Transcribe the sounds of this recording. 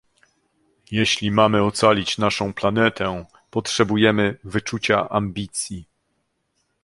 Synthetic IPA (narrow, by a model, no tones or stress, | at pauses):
jeɕlʲimamɘɔt̪salʲit͡ɕnaʂɔ̃w̃planɛt̪ʰɛ | pɔtʂɛbujɛmɘvɘt͡ʂut͡ɕaʔambʲit̪sʲji